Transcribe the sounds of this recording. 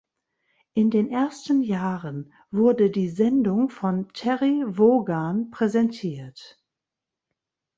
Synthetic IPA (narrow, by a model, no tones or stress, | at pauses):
ʔɪndeːnʔeːɐstən̩jaːʁən | vʊɐdədiːzɛndʊŋfɔntʰɛʁivoːɡanpʁ̥ɛzɛntʰiːɐt